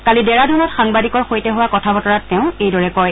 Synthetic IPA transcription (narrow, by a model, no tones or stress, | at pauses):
kalidɛɹadunɔtxaŋbadikɔɹxojtɛɦuwakɔtʰabɔtɔɹatːɛʊ̃ejdɔɹɛkɔj